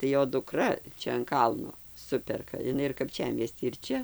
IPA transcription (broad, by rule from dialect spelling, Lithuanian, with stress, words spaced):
tɐɪ ˈjoː dʊˈkrɐ ˈt͡ʃʲɛ ɐn ˈkɐlˠnoː ˈsʊpʲɛrkɐ ɪˈnɐɪ ɪr kɐpʲˈt͡ʃʲæːmʲiɛsʲtʲiː ɪr ˈt͡ʃʲɛ